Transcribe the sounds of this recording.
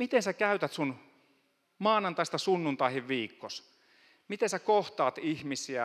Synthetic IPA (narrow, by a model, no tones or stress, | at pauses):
mit̪ensækæyt̪æt̪sun | mɑːnɑnt̪ɑˑist̪ɑsunːunt̪ɑihiʋʋiːkːos | mit̪ensækoht̪ɑːt̪ihmisiæ